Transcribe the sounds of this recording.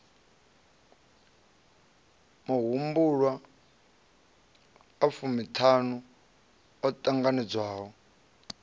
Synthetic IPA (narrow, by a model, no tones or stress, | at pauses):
muɦumbuɺwa | fumitʰanu | ɔtʼaŋɡanid͡zwaːɦɔ